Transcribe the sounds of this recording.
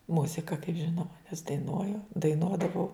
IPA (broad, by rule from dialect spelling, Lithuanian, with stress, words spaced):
ˈmʊzʲɪkɐ kɐɪp ˈʒʲɪnoːmɐ nʲɛs dɐɪˈnuɔjʊ dɐɪˈnuɔdɐʋɐʊ